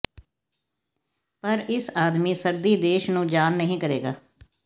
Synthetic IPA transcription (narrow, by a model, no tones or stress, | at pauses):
pəɾɪsaːd̪miːsəɾd̪iːd̪eːʃnũːd͡ʒaːnːəɦĩːkəɾeːɡaː